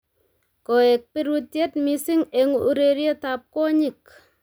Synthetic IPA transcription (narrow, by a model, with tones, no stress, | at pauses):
ko˨e˨k̚piɾutje˦tmisɪ˦ŋeŋu˦ɾeɾje˦tap̚kɔ˦ɲi˨k